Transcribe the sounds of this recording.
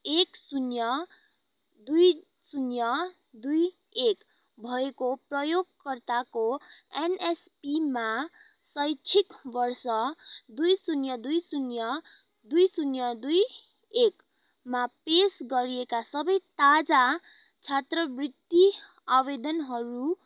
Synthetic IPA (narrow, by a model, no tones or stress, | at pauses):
eksunjʌ | d̪uj | sunjʌ | d̪uj | ek | bʱʌekoprʌjoɡkʌrt̪akoenespima | sʌjt͡sʰikbʌrsʌd̪ujsunjʌd̪ujsunjʌ | d̪ujsunjʌd̪uj | ek | mapesɡʌɾiekasʌbʌjt̪ad͡zat͡sʰat̪rʌbrit̪ːi | abed̪ʌnɦʌɾu